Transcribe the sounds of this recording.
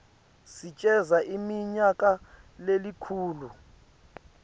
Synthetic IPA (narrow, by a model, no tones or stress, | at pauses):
sit͡ʃʼɛzaʔimiɲakʼalelikʰuːlu